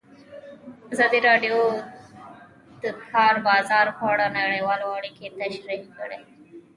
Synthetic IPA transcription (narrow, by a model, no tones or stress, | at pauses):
azɑd̪iɾɑɖjo | d̪̥əkʰɑɾbɑzɑɾxwɑɽanaɽejwɑloaɽiket̪aʃɾihkəɽe